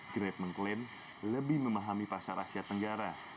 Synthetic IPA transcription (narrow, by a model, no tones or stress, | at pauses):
ɡɾɛt̚məŋklɪn | ləbɪhməmaɦamipasaɾa̰siat̪əŋɡaɾa